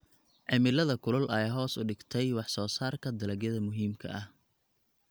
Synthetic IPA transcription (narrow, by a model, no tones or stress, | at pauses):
ʕɛmɪlɐðɐkʰʊlʊlʔɐjɦɔːsʊɖɪɡt̪ʰɛjwɑħsɔːsaːrkʰɐd̪ɐlɐɡjɐðɐmʊɦiːmkʰɐ̰ʔɐh